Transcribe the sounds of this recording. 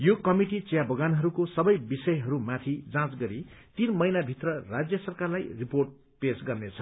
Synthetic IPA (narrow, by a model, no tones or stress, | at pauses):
jokʌmiʈit͡sejabʌɡanɦʌɾukosʌbʌjbisʌjɦʌɾumat̪ʰid͡zãt͡sɡʌɾit̪inmʌjnabʱit̪rʌrad͡zjʌsʌrkarlajriporʈ̚ | pesɡʌrnet͡sʰʌ̥